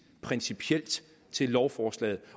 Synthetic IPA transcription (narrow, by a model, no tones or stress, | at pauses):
pʰʁɛnsipʰiel̰d̥ | t͡sʰe̝lːɒʊfɒːslɛ̰ːð̩ˠ